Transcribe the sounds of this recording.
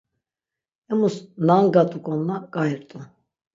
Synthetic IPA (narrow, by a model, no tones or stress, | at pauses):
ɛmusnaŋɡat̪ʼukʼɔnːaɡʼajɾt̪ʼu